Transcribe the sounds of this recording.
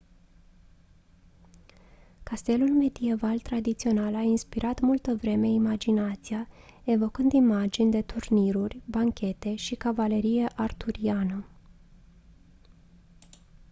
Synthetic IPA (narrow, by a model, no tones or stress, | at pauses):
kast̪e̞lulme̞d̪ie̞valt̪ɾad̪it̪sio̞nalainspiɾʔat̪mult̪əvɾe̞me̞imad͡ʒinat̪sija | e̞vo̞kɨnd̪imad͡ʒinʲd̪e̞t̪urniɾurʲbaŋkʲʰe̞t̪e̞ʃikavale̞ɾije̞ʔart̪uɾianə